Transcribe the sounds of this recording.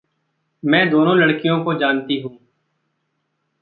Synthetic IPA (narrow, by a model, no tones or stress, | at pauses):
mɛ̃ːd̪oːnõːləɽkijõːkod͡ʒaːnt̪iɦũː